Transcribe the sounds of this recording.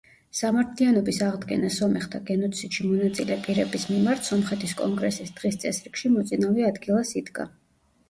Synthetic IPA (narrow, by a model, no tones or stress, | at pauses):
samaɾt̪ʰlianɔbisaʁd̪ɡɛ̰nasɔmɛχt̪ʰaɡɛnɔt̪sʰid̪̥ʃimɔnat̪sʼilɛpʼiɾɛbismimaɾt̪ʰsɔmχɛt̪ʰiskʼɔ̰ŋɡɾɛsisd̪̥ʁist̪sʼɛsɾikʃimɔt̪sʼinaviad̪ɡilˠasid̪ɡa̰